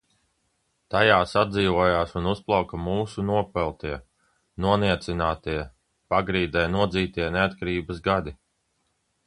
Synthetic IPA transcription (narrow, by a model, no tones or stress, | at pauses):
t̪ajaːsad̪ziːvuɔjaːsunusplˠawkamuːsunuɔpɛlˠt̪iɛ | nuɔniɛt̪sinaːt̪iɛ | paɡɾiːd̪ɛjnuɔd̪ziːt̪iɛneat̪kaɾiːbəzɡad̪i